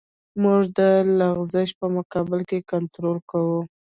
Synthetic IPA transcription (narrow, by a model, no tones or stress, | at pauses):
muʐd̪əlaɣzɪʃpəmʊkɑbɪlkekant̪ɾolkawu